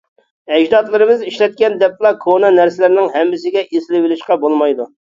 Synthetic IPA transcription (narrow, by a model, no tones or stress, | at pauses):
ɛd͡ʒd̪ɑt̪lˠɨɾɨmɨziʃlɛt̪̚kʲɛnd̪ɛplˠɑkʰonɑnæɾsɪlɪɾɪnɪŋɦɛmːɪsɪɡʲɛʔeslɪwɪlɪʃqɑbolˠmɑjd̪u